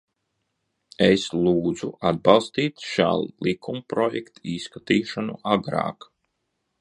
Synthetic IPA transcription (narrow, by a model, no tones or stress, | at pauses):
eslˠuːd̪zuad̪̚bɑlˠst̪iːt̪ʃa̰ːlˠlˠikumpɾɔjɛkt̪iskat̪iːʃanṵʔaɡɾɑ̰ːk